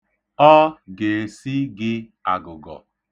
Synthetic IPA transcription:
ɔ˦ɡe˨e˨si˦ɡɪ˦ | a˨ɡʊ˨ɡɔ̰˨

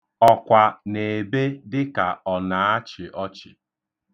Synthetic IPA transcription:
ɔ˨kʷa˨ne˨be˦dɪ˦ka˨ɔ˨na˨a˦t͡ʃɪ˨ʔɔ˦t͡ʃɪ˨

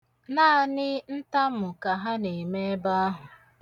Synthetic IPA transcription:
naː˦˨nɪ˦n̩˦ta˦mʊ˨ka˨ɦa˦ne˨me˦e˦ba˦a˦ɦʊ˨

